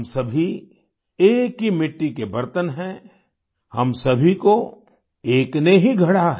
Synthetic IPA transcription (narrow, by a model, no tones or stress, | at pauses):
msɐbʱi | eːkɦimɪʈːikebɐɾt̪ənɦɛ̃ | hɐmsɐbʱiko | eːkneɦiɡʱɐɽaɦɛ